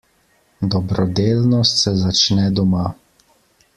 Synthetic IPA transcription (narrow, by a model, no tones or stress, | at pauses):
d̪ɔbɾɔd̪eːlnɔst̪sɛzat͡ʃnɛd̪ɔma